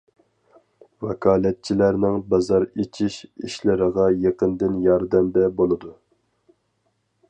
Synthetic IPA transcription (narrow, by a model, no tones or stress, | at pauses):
vɛkʰɑːlˠɛt̪̚t͡ʃʰilæɾnɪŋbɑzɑɾet͡ʃʰiʃiʃlɪɾəʁɑjeqənd̪ɪnjɑɾd̪ɛmd̪ɛbolˠɨd̪u